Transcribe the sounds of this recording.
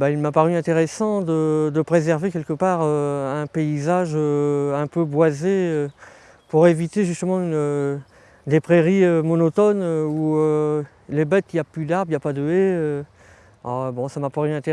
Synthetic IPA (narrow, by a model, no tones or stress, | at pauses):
bailmapaʁyɛ̃t̪eʁesɑ̃d̪əd̪əpχezɛʁvekʲɛlkəpaːʁøɛ̃peizaʒøɛ̃pøbwazeø | puʁevit̪eʒyst̪əmɑ̃ynø | d̪epχeʁiømɔnɔt̪ɔnøuø | lebɛt̪iaplyd̪aʁbiapad̪əeø | ɔ̰bɔ̃samapaʁyɛ̃t̪e